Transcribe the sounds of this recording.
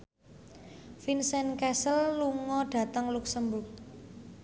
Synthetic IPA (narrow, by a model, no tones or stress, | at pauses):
finsɛnkɛsəlːuŋɔɖ̥ä̤t̪əŋluksəmbʊk̚